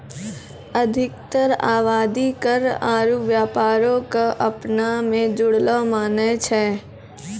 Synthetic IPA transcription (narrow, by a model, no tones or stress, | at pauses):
əd̪ʱɪkt̪əɾa̰ːʋaːd̪ikəɾaːɾuʋjaːpaːɾõkaʔɐpnamẽd͡ʒʊɽlomaːnet͡ʃʰɛː